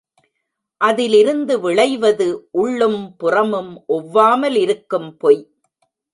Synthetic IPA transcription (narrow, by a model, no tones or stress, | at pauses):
ʔɐðɪlɪɾɯnd̪ɯʋɪɭɐɪʋɐðɯʔʊɭːɯmpʊrɐmɯmʔɔʋːaːmɐlɪɾɯkːɯmpɔj